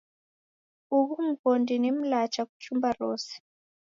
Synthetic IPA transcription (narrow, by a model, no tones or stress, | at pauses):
uβum̩kɔndinim̩lat͡ʃaku̥t͡ʃumbarɔːsi̥